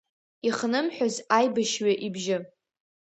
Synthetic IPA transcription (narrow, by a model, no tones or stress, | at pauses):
iχnɨmħʷᶣazajbaʃɥaʔibʒɪ